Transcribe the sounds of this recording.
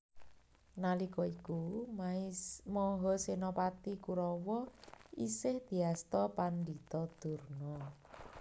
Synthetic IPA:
nalikɔiku | mɔɦɔsenɔpat̪ikuɾɔwɔḭsɪhd̪̥i̤ast̪ɔpand̪it̪ɔd̪̥ṳrnɔ

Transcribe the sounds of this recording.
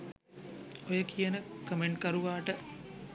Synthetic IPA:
ojəkijənəkəmeɳʈkəɾuʋaːʈə

